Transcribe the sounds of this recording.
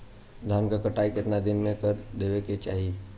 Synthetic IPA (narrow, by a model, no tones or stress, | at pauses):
d̪ʱaːmkakəʈaːikɪt̪nad̪ɪnmẽkəɾd̪eːʋeket͡ʃaːɦi